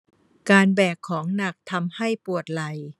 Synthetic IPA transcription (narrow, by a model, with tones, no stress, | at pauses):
kaː˧nbɛː˨˩kʰːɔː˩˦ŋna˨˩k̚t̪ʰa˧mha˥˩jpu˨˩ət̪̚la˧j